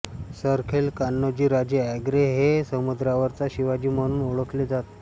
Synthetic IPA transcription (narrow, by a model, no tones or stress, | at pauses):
səɾkʰelkanːəd͡ʑiːɾad͡ʑeæɡɾeɦesəmud̪ɾaʋəɾt͡saɕiʋad͡ʑiːməɽ̃uːnuɭəkled͡zat̪